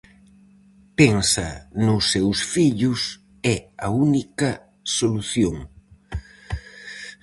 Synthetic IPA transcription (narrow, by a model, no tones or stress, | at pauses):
peŋsɐ̰nʊsːewsfiʎʊs | ɛɐunikɐ | soluθjoŋ